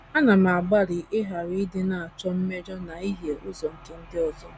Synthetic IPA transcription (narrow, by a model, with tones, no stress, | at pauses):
a˦na˨m˨a˨ɡ͡ba˦ɾɪ˨ʔɪ˦ɦa˨ɾi˦i˦dɪ˦na˨a˨t͡ʃɔ˦m̩˦me˦d͡ʒɔ˦na˨i˦ɦje˨ʊ˦zɔ˨ŋ̩˦ke˦n̩˦dɪ˦ɔ˦˨zɔ˦